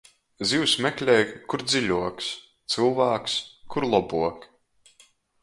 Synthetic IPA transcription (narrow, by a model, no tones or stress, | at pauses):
ziwsmɛklʲɛːjkuɾd̪ziʎʲuɔks | t̪sɨlˠvæːkskuɾlˠɔbuɔk